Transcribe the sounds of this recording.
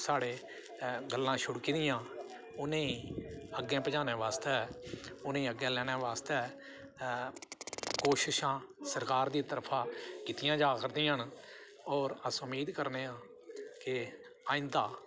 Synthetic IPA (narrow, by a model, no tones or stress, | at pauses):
saːɽeː | ɡəlːãːʃʊɽkid̪ɪjãː | ʊnẽːiːəɡːẽːpəd͡ʒãːneːʋaːst̪ɛːʊnẽːĩːəɡːẽːlɛːɽ̃ɛːʋaːst̪ɛː | koːʃɪʃãːsəɾkaːɾd̪iːt̪əɾpʰãːkɪt̪ɪjãːd͡ʒaːkəɾd̪ĩːəɳ | ɔːɾəsʊmiːd̪kəɾneːãː | kɪ | aːɪ̃nd̪aː